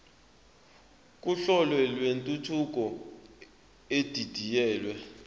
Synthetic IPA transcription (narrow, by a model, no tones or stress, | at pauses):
k̬ʼuɬɔlwɛlwentʼutʰuk̬ʼɔ | ed̥ʱid̥ʱijɛːlwɛ